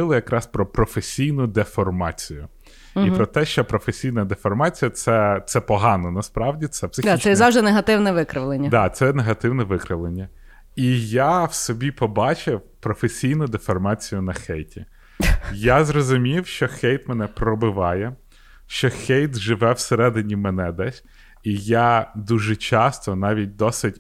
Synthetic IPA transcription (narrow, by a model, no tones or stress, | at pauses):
ɪlˠɪjɐkɾɑspɾɔpɾɔfesʲijnʊd̪efɔrmɑt͡sʲijʊ | ipɾɔt̪ɛʃt͡ʃɔpɾɔfesʲijnɐd̪efɔrmɑt͡sʲijɐt̪sɛt̪sɛpɔɦɑnɔnɐspɾɑwdʲit̪sɛpsɪt͡ʃɛzɑwʒd̪ɪneɦɐt̪ɪwnɛʋɪkɾɪʋlˠenʲːɐd̪ɑt̪sɛneɦɐt̪ɪwnɛʋɪkɾɪʋlˠenʲːɐ | ijawsɔbʲipɔbɑt͡ʃɪwpɾɔfesʲijnʊd̪efɐrmɑt͡sʲijʊn̪ɐxɛjtʲi | jazɾɔzʊmʲiwʃt͡ʃɔxɛjt̪mɛnɛpɾɔbɪʋɑjɛ | ʃt͡ʃɔxɛjt̪ʒɪʋɛwseɾɛd̪ɪnʲimɛnɛd̪ɛsʲ | ijad̪uʒɛt͡ʃɑst̪ɔnɑʋʲit̚ʲd̪ɔsʲɪtʲ